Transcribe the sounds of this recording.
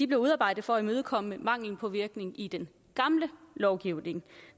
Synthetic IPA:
d̥ib̥le̝uð̞ˠɑ̈ːb̥ɑ̈ɪ̰d̥ð̩ˠfɒ̽æimøð̞ˠkʰɒ̽m̰əmɑ̈ŋ̰ln̩pʰɒ̽ʋiɐɡ̥ne̝ŋid̥en | ɡ̥ɑ̈mləlɒʊɡ̥iʊne̝ŋ

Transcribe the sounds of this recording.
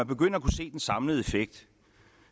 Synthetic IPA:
ænb̥e̝ɡ̥øn̰ɐːkʰuse̝̰ːd̥ensɑ̈mləð̞̩ˠe̝feɡ̥̚d̥

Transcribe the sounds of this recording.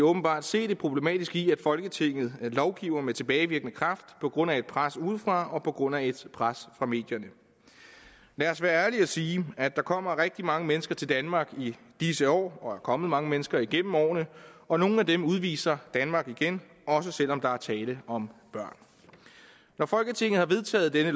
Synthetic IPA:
ɔ̽ːb̥n̩b̥ɑ̰̈ːd̥se̝̰ːd̥e̝pʰʁo̝b̥le̝mɛ̰ːd̥isɡ̥iæd̥fɒ̽lɡ̥ət͡sʰe̝ŋ̰ð̩ˠlɒʊɡ̥ḭʊɐmet͡sʰe̝b̥ɛːɪʋiɐɡ̥nəkʰʁɑ̈fd̥pʰɒ̽ɡ̥ʁɔ̽n̰æe̝d̥̚pʰʁasuð̩ˠfʁɑ̈ɒ̽pʰɒ̽ɡ̥ʁɔ̽n̰æe̝d̥pʰʁasfʁɑ̈me̝̰ːd̥jɐnə | læɐsʋæːɐæɐliæsiːæd̥ɑ̈kʰɒ̽m̰ɐʁɛɡ̥̚d̥imɑ̈ŋəmenəsɡ̥ɐt͡sʰe̝ld̥ænmɑ̈ːɡ̥i | d̥is̬əɒ̰ːɒ̽æɐkʰɒ̽məð̞̩ˠmɑ̈ŋəmenəsɡ̥ɐiɡ̥em̰m̩ɒ̰ːnəɒ̽no̝ːn̩æd̥emuðˠʋḭːsɐd̥ænmɑ̈ːɡ̥iɡ̥en | ɒ̽s̬əsel̰ɒ̽md̥ɑ̈æɐt͡sʰɛːləɒ̽mb̥ɶɐ̰n | nɒfɒ̽lɡ̥ət͡sʰe̝ŋ̰ð̩ˠhɑ̈ʋe̝ðˠt͡sʰɛ̰ːð̞̩ˠd̥enə

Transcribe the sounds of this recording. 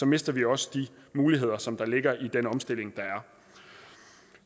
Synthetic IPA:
sɒ̽me̝sd̥ɐʋiɒ̽sə̥d̥imuːliɦe̝ð̞̰ˠɐsɒ̽md̥ɑ̈le̝ɡ̥ɐʔid̥enɒ̽msd̥e̝l̰e̝ŋd̥ɑ̈æɐ

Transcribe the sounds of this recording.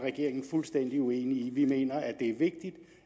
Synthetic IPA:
ʁɛɡ̥e̝ɐ̰eŋn̩fulsd̥en̰d̥iueːniːʋime̝̰ːnɐæd̥e̝æɐʋe̝ɡ̥̚d̥id̥

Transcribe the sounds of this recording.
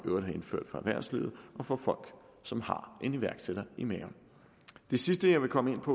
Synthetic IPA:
ʔøʊɾ̥hæe̝nfø̰ɐ̰d̥fɒæʋæɐ̰sliːʊð̩ˠɒ̽fɒ̽fɒ̽l̰ɡ̥sɒ̽mhɑ̈ʔe̝niʋæɐɡ̥seɾ̥ɐimɛːon | d̥e̝sisd̥əjɑ̈ɪʋe̝kʰɒ̽məe̝n̰pʰɒ̽

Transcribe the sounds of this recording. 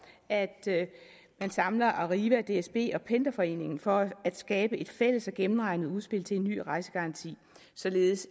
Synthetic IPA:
æd̥ | mænsɑ̈mlɐʔɑʁiːʋæd̥e̝esb̥e̝̰ːɒ̽pʰend̥ɐfɒ̽e̝̰ːne̝ŋn̩fɒ̽æd̥sɡ̥ɛːb̥əʔe̝d̥fel̰əsɒ̽ɡ̥emn̩ʁɑ̈ɪnəð̞̩ˠuðˠsb̥e̝l̰t͡sʰe̝e̝nːy̰ːʁɑ̈ɪsə̥ɡ̥ɑ̈ʁɑ̈nt͡sʰḭː | sɒ̽le̝ːð̞̩ˠəs

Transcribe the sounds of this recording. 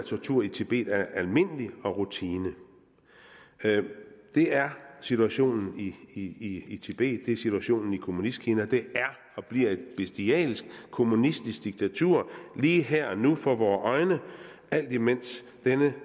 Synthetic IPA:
t͡sʰɒt͡sʰuɐ̰it͡sʰeb̥e̝̰ːd̥æɐælme̝nəliɒ̽ʁut͡sʰiːnə | d̥e̝æɐsit͡sʰuæɕo̝̰ːnn̩iiiit͡sʰeb̥e̝̰ːd̥̚ːe̝sit͡sʰuæɕo̝̰ːnn̩ikʰo̝munisɡ̥henɐd̥e̝æɐ | ɒ̽b̥liɐ̰e̝d̥b̥esd̥iɛ̰ːlsɡ̥kʰo̝munisd̥isɡ̥̚d̥iɡ̥̚t͡sʰæt͡sʰuɐ̰liːɦeɐ̰ɒnufɒ̽ʋɒːʔɒ̽ɪnəʔæl̰d̥imen̰s | d̥enə

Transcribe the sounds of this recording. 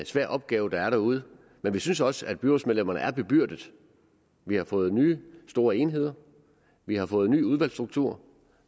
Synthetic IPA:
sʋæɐ̰ʔɒ̽b̥̚ɡ̥ɛːʊd̥ɑ̈æɐɾæuð̞̩ˠ | menʋisynsɒ̽səæd̥̚b̥yʁosmeðˠlemɐnə̰æɐb̥e̝b̥yɐ̰d̥əð̩ˠ | ʋihɑ̈fɔ̽ːð̞̩ˠnyːsd̥o̝ːɐe̝nɦe̝ð̞̰ˠɐ | ʋihɑ̈fɔ̽ːð̩ˠny̰ːuð̞ˠʋæl̰sd̥ʁuɡ̥̚t͡sʰṵɐ̰

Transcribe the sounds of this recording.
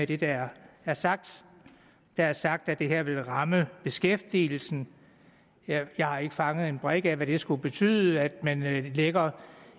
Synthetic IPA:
ed̥e̝d̥ææɐsɑɡ̥̚d̥ | d̥ææɐsɑ̈ɡ̥̚d̥æd̥e̝ɦæɐ̰ʋe̝lʁɑ̈məb̥e̝sɡ̥efd̥ḭːl̩sn̩ | jɑ̈ɪhɑ̈e̝ɡ̥əfɑ̈ŋəð̩ˠe̝nb̥ʁɛɡ̥æʋæɾ̥e̝sɡ̥ub̥e̝t͡sʰy̰ːðˠəæd̥mænleɡ̥ɐ

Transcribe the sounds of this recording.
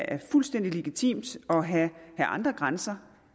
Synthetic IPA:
ʔæɐfulsd̥en̰d̥ile̝ɡ̥it͡sʰḭːmd̥ɒ̽ɦæhæʔɑ̈nd̥ʁɐɡ̥ʁansɐ

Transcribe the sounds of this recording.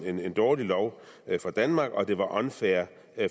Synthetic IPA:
e̝ne̝nd̥ɒːlilɒʊfʁɑ̈d̥ænmɑ̈ːɡ̥ɒ̽d̥e̝ʋɑ̈ʔɒ̽nfæɐ

